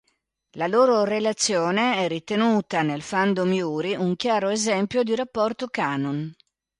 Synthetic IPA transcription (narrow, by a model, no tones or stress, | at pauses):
laloːɾorelat̪sːjoːneɛrit̪enuːt̪anelfand̪omjuːɾiuŋkjaːɾoezɛmpjod̪iɾapːɔrt̪okaːnon